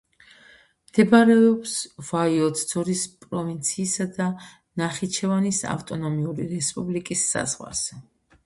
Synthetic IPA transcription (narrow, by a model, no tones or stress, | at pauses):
md̪̥ɛbaɾɛɔpsvaiɔt̪ʰd̪z̥ɔɾispʼɾɔvint̪sʰiːsad̪a | naχit͡ʃʰɛvanisa̰ft̪ʼɔnɔmiuɾiɾɛspʼublikʼisːa̰z̥ʁwa̰z̥ɛ